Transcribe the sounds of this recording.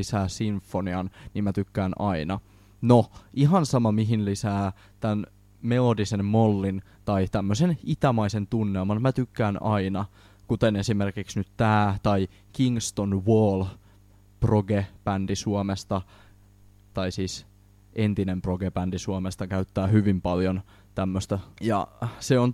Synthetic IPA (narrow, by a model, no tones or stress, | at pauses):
isæːsiɱfːoniɑnnimæt̪ykːæːnɑinɑ | noʔiɦɑnsɑmɑmiɦinlisæː | t̪æn | melo̞dise̞nmo̞lːin | t̪ɑjt̪æmːøsenit̪æmɑise̞nt̪unːelmɑnmæt̪ykːæːnɑinɑ | kut̪ene̞sime̞rkiksnyt̪t̪æːt̪ɑi | kiŋst̪onʋoːl | proɡepændisuomest̪ɑ | t̪ɑisiːs | ʔent̪inemproɡepændisuomest̪ɑkæyt̪ːæːhyʋimpɑljon | t̪æmːøst̪ɑjɑ̰seon